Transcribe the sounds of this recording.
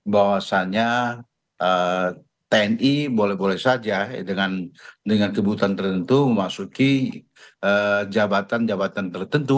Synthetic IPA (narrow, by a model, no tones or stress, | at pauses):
bawasaɲa | ə | t̪eɛnibolɛhbolɛhsad͡ʒadəŋandəŋankəbut̪ant̪ərt̪ənt̪uməmasuki | əd͡ʒabat̪and͡ʒabat̪ant̪ərt̪ənt̪u